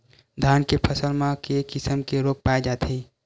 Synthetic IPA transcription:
d̪ʱankepʰəsəlmãkekɪsəmkeɾok̚paed͡ʒaːt̪ʰi

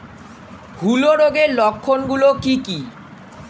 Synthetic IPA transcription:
ɡʱuloɾoɡeɾlɔkʰːonɡulokiki

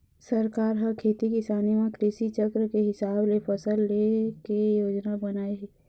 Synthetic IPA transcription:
sɐɾkaːɾɦəkʰeːt̪ikɪsaːnimãkɾɪʃit͡ʃəkɾəkeɦɪsaːblepʰɐsəlːekejoːd͡ʒnabənaːeɦ

